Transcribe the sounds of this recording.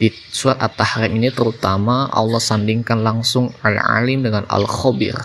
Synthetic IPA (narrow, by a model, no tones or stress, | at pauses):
di | suɾat̪̚at̪ahɾiminit̪əɾut̪amaɔ̰lːɔhsandiŋkanlaŋsʊŋa̰lʕa̰lɪmdəŋanʔa̰lxɔbɪ̰r